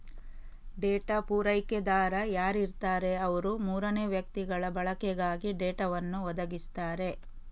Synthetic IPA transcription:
ɖeːʈapuːɾɐjked̪aːɾɐjaːɾiɾt̪aːɾe̞ɐʋɐɾumuːɾɐneːʋjɐk̚t̪iɡɐɭɐbɐɭɐkɛɡaːɡiɖeːʈɐʋɐnːuʋɐd̪ɐɡist̪aːɾe̞

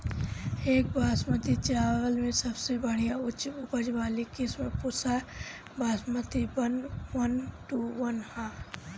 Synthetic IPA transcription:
eːk̚bʱaːsmət̪it͡ʃaːʋəlmẽsɐbsebəɽ̤ijaʊt͡ʃʊpəd͡ʒbaːlikɪsmẽpʊsa | baːsmət̪ibənʋənʈuʋənhãː

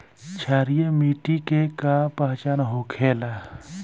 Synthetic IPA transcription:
t͡ʃʰaːɾijemiːʈikekapaːt͡ʃaːnɦoːkʰeːlaː

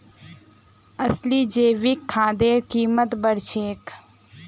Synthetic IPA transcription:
əsliːd͡ʒeːʋikʰːãːd̪eːɾkiːmət̪bəɾt͡ʃʰeːk

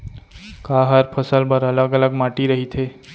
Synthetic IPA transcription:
kaɦəɾpʰəsəlbəɾələɡələɡmaʈiɾəɦit̪ʰe

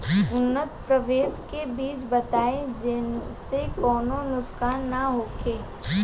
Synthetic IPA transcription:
ʊnːət̪pɾəʋeːd̪kebiːt͡ʃbɐt̪aːed͡ʒɪnsekɔːnonʊskaːnːaɦoːkeː

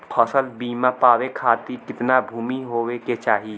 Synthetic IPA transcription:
kʰɔsəlbiːmapaːwekʰaːt̪ikɪt̪nabʱuːmiɦoːweket͡ʃaːɦi

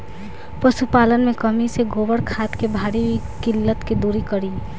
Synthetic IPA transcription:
pəʃupaːlənmẽkəmiseɡoːbəɽkʰaːt̪kebʱaːɾi | kɪlːət̪ked̪uɾikəɾi

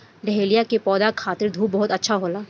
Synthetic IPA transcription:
ɾeɦelijakepɔːd̪akʰaːt̪ɪɾd̪ʱuːbɔɦʊt̪ɐtːʃʰaɦoːlaː

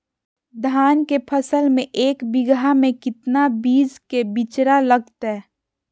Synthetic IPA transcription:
d̪ʱaːnkepʰəsəlmẽʔeːkbɪɡamẽkɪt̪nabiːd͡ʒkebɪt͡ʃɾaləɡ̚t̪ɦɛː

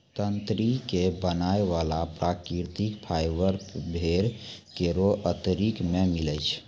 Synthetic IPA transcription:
t̪ənt̪ɾikebənaeʋalapɾakɾiɾt̪ikpʰajbəɾbʱeɾkeɾoʔət̪əɾikmemilət͡ʃʰ

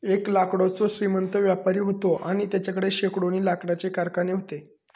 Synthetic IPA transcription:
eklakɽot͡soɕɾimənt̪əʋjapaɾiːɦot̪oʔaɽ̃it̪jat͡ɕakəɽeɕekɽoniːlakɽat͡ɕekaɾkaneɦot̪e

